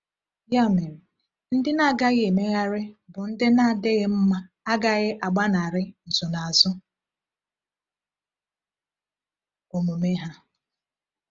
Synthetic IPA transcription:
ja˦˨mɪ˨m̩˨ | n̩˦dɪ˦na˦˨ɡa˦ɣe˨me˦ɣa˦ɾɪ˦bʊ˨n̩˦dɪ˦na˦˨dɪ˦ɣɪ˦m̩˦ma˦ | a˦ɡa˦ɣɪ˦ʔa˨ɡ͡ba˦na˨ɾɪ˦n̩˨zʊ˨na˨a˨zʊ˦ | o˨mo˨me˦ɦa˦

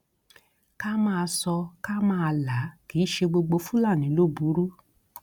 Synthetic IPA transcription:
ka˦mãː˦˧sɔ˧ka˦mãː˦a˧la˨˦ki˨˦ʃe˧ɡ͡bo˧ɡ͡bo˧fũ˦la˦˨nĩ˨˦lo˦˨bu˨˦ɾu˦

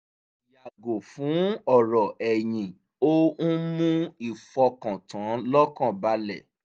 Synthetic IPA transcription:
ja˨ɡo˨fũ˨˦ɔ˦˨ɾɔ˨ɛ˨j̃ĩ˨ | o˦ñ̩˦mũ˦i˦˨fɔ˧kã˨tʰã˨˦lɔ˦kã˦˨ba˧lɛ˨

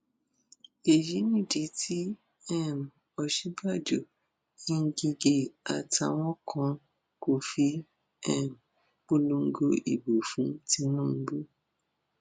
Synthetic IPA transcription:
e˨ji˨˦nĩ˦˨di˨˦tʰi˦ | ɛ˦˨m˨ | ɔ˨ʃi˨˦ba˦˨d͡ʒo˨ | ĩ˦ŋ̩˦ɡi˧ɡe˧a̰˨ta˧˨w̃ɔ̃˦kʰɔ̃˧ | ko˧fi˦ | ɛ˦˨m˨ | k͡po˦lo˧˦ŋ̩˦ɡo˧ʔḭ˨bo˨fũ˨˦ti˧˦nũ˦˨m̩˦bo˦

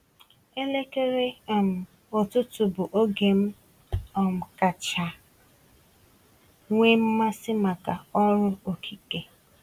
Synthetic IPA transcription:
e˦le˦ke˦ɾe˦˨m̩˨ | o˨tʊ˦tʊ˨bʊ˨ʔo˦ɡe˨m̩˦ | ɔ˨m̩˨ka˨t͡ʃa˨ | ŋʷe˦m̩˦ma˦sɪ˦ma˨ka˨ɔ˦ɾʊ˦o˨kʰi˦ke˨

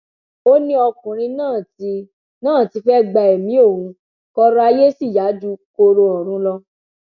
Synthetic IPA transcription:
o˦nĩ˦ɔ˧kũ˨ɾ̃ĩ˧nãː˦˨i˧˦ | nãː˦˨ti˨˧˦fɛ˦ɡ͡ba˧e˨mĩ˨˦o˦˨ũ˨˧ | kɔ˧ɾa˦˧je˦si˦˨ja˨˦du˦ko˧ɾo˧ɔ˨ɾ̃ũ˨˦lɔ˧

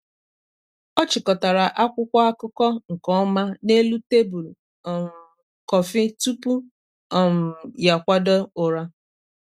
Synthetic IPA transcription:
ɔ˦t͡ʃɪ˨kɔ˨ta˨ɾa˨ʔa˦kʷʊ˦kʷa˦a˦kʊ˦kɔ˦ŋ̩˨kɔ˦ma˦ne˦lu˦te˦bu˨l | ɔ˨m̩˨ | kɔ˨fɪ˦tu˦pu˦ | ɔ˨m̩˨ja˨kʷa˦dɔ˦ʊ˨ɾa˦

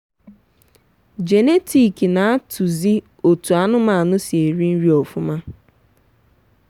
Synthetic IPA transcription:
d͡ʒe˨ne˦tʰi˨ki˨na˨a˦tʰu˨zi˦ | o˨tu˨a˨nʊ˦ma˨a˨nʊ˦si˨e˨ɾi˦n̩˦ɾi˦ɔ˨fʊ˦ma˦

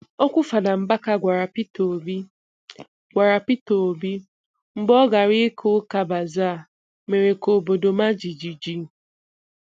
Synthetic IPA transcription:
ɔ˦kʷʊ˦fa˨da˨m̩˨ba˦ka˦ɡʷa˨ɾa˨pi˦to˨bi˦ | ɡʷa˨ɾa˨pi˦to˨o˨bi˦ | m̩˦bɔ˦ɡa˨ɾi˦kʰo˦ka˨ba˨za˦˨ | me˨ɾe˨ko˨bo˨do˨ma˦d͡ʒi˨d͡ʒi˨d͡ʒi˦˨

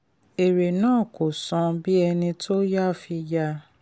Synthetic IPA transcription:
e˨ɾe˨nãː˦˨ko˨sɔ̃˧bi˦ɛ˧nĩ˧tʰo˦ja˦˨fi˧ja˧

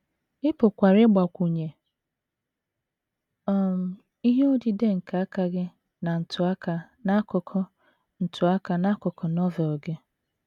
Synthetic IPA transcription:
ɪ˦pʊ˨kʷa˨ɾɪ˦ɡ͡ba˨kʷu˨ɲe˨ | ɔ˨m̩˨ | i˦ɦe˦o˦di˨de˦ŋ̩˨ka˨˦a˦ka˨ɡɪ˦ | na˨n̩˨tʰʊ˨a˦ka˨ | na˦kʊ˨kʰɔ˦ | n̩˨tʰʊ˨a˦ka˨na˦kʊ˨kʰɔ˨nɔ˦vɛ˨ɔ˨ɡe˦

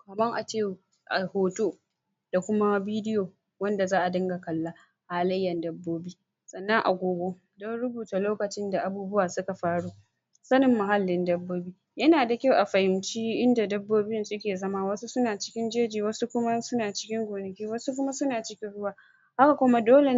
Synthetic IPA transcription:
kɐ˨mɐ˦ŋʔa˨t͡ʃeː˦ | ʔa˨hoː˨toː˦ | d̥a˨kʷʊ˦ma˦biː˦dɪ˦joː˨ | wɐ˦nda˨zaː˦ʔa˨dɐ˦ŋɡa˨kɐ˨lːaː˦ | haː˦lɐ˦jːɐ˨ndɐ˦bːoː˦biː˦ | sʼɐ˨nːɐ˦ŋʔa̰˨ɡʷoː˨ɡʷo˦ | dɔ˦nɽʊ˦buː˨ta˨loː˦kɐ˨t͡ʃɪ˦nda˨ʔa˨buː˦bʊ˦waː˨sʊ˦ka˨ɸaː˦ɽuː˦ | sɐ˦nɪ˨mːʊ˨ɦa˦lːɪ˨ndɐ˦bːoː˦biː˦jɐ˦naː˨da˨kʲa˦wʔa˨ɸɐ˨hɪ˨nt͡ʃiː˦ʔɪ˦nda˨dɐ˦bːoː˦bɪ˦nsʊ˦kʲeː˨zɐ˦maː˦wɐ˦su˦sʊ˦naː˨t͡ʃɪ̥˦kʲɪ˦nd͡ʒeː˦d͡ʒiː˨wɐ˦su˦kʷʊ˦ma˦sʊ˦naː˨t͡ʃɪ̥˦kʲɪ˦ŋɡʷoː˨nɐ˨kʲiː˦wɐ˦su˦k̬ʷʊ˦ma˦sʊ˦naː˨t͡ʃɪ˦kʲɪ˦nɽʊ˦waː˦ | ha˦ka˨kʷʊ˦ma˦doː˦le˨˦

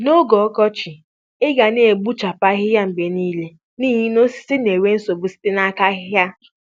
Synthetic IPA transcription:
no˦ɡɔ˨ɔ˦kɔ˦t͡ʃi˨ | ɪ˦ɡa˨ne˨e˨ɡ͡bu˦t͡ʃa˨pa˦ɦɪ˦ja˦m̩˨be˨niː˦le˦ | niː˦ɦi˦no˦si̥˦si˦ne˨we˦n̩˦so˨bʊ˨si̥˦te˦na˦ka˦ɦɪ˦ja˦

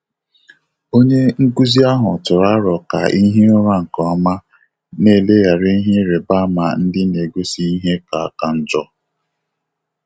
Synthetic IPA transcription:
o˦ɲe˦ŋ̩˦ku˦zi˦a˦ɦʊ˨tʊ˨ɾa˦ɾɔ˨ka̰˨i˦ɦe˦ʊ˦ɾa˦ŋ̩˨kɔ˨a˦ma˦ | ne˦˨le˦ja˨ɾe˦i˦ɦe˦ɾe˨ba˦ma̰˨n̩˦dɪ˦ne˨ɡo˦si˦i˦ɦe˦ka˨a˨ka˨n̩˦d͡ʒɔ˦

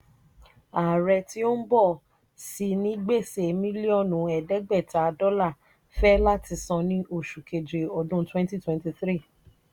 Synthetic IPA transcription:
a˨ɾɛ˧ti˦o˦n̩˦bɔ˦˨ | si˧˦nĩ˦ɡ͡be˦˨se˨mĩ˦li˦ɔ˦˨nũ˨˦ɛ˨dɛ˦ɡ͡bɛ˦˨ta˨˦dɔ˦la˦˨ | fɛ˦la˦ti˧sɔ̃˧nĩ˦o˦˨ʃu˨ke˨d͡ʒe˨ɔ˧dũ˦twɛ̃˦n˦ti˦˨twɛ̃˦nti˧θɾi˦˨

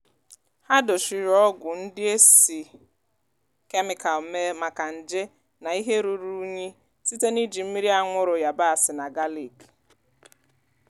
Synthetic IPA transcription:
ha˦dʊ˨ʃi˨ɾɔ˦ɡʷʊ˨n̩˦dɪ˦e˦si˨ | ke˦mɪ˨ka˨lme˦ma˨ka˨n̩˨d͡ʒe˦ | na˨i˦ɦe˦ɾu˨ɾu˦ɲi˦ | si˦te˦ni˦d͡ʒi˨m̩˦mi˦ɾi˦a˦ŋʷʊ˦ɾʊ˨ja˨ba˦a˨sɪ˨na˨ɡa˦li˨k

